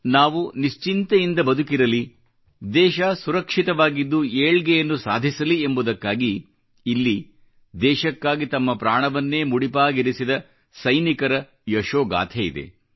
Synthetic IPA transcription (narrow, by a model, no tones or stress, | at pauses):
naːʋuniʃt͡ʃint̪ɐjind̪ɐbɐd̪ukiɾɐli | d̪ɛːʃɐsuɾɐkʂit̪ɐʋaːɡid̪ːueːɭɡɛjɐnːusa̰ːd̪ʱisɐliembud̪ɐkːaːɡiː | lːi | d̪ɛːʃɐkːaːɡit̪ɐmːɐpɾaːɳɐʋɐnːe̞ːmuɽipaːɡiɾisid̪ɐ | sɐjnikɐɾɐ | jɐʃoːɡa̰ːt̪ʰejḭd̪e̞̰